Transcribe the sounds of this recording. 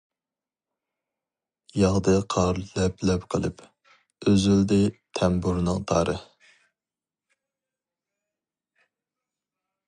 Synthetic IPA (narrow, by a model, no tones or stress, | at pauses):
jɑŋd̪ɨqʰɑɾlɛplɛpqʰəlˠɨp | øzyld̪ɪt̪ʰɛmbuɾnɨŋt̪ʰɑːɾɨ